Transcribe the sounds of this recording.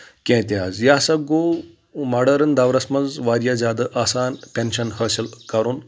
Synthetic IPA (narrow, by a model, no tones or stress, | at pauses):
kʲẽːt̪ʲiɦaːzjaːsɐɡoː | mɐɖɐɾɐnd̪ɐʋɾɐsmɐnzʋaːɾjazʲaːd̪ɐʔaːsaːnpʲenʃɐnhəːsilkɐɾun